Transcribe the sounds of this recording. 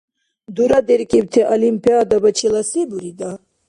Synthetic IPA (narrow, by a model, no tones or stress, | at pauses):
d̪uɾɐd̪eɾkib̚t̪ʰeʔɐlimpijɑːd̪ɐbɐt͡ʃʰilɐsibuɾid̪ɐ